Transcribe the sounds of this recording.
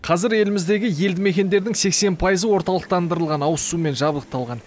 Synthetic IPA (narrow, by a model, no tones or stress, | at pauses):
qʰɑzɪɾje̞lɪmɪzd̪e̞ɡʲɪje̞ld̪ɪme̞kʲe̞nd̪e̞ɾd̪ɪŋse̞kse̞npʰɑjəzəwo̞ɾt̪ɑlˠəq̚t̪ɑnd̪əɾəlˠʁɑnɑwəsume̞nʒɑbəlˠəq̚t̪ɑlˠʁɑn